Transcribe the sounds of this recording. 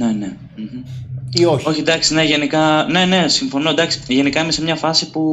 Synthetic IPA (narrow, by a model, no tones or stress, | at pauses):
ne̞ne̞ | m̩mm̩ioço̞çid̪ɐksine̞ʝe̞nikɐne̞ne̞siɱfo̞nod̪ɐksi̥ʝe̞nikɐimesemɲɐfɐsipu